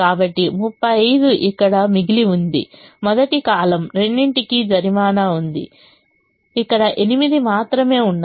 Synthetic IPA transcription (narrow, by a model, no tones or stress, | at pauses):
kaːbɐʈːimupːɐjɐjd̪uʔikːɐɽɐmiɡiliund̪ḭmɔd̪ɐʈikaːlɐmɾe̞ɳːiɳʈikid͡ʒɐɾimaːnaund̪ḭ | ikːɐɽɐʔe̞nimid̪imaːt̪ɾɐme̞ːuɳː